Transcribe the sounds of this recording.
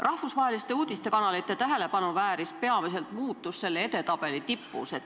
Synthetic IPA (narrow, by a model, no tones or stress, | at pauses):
rʔɑhfusvɑɦelist̪e̞uːd̪̥ist̪e̞kɑnɑlit̪ːˑe̞t̪æɦe̞le̞pɑnuvæːɾispe̞ɑmise̞lt̪muːt̪ːˑusse̞lːeet̪e̞t̪ɑb̥e̞lit̪ipːṵset̪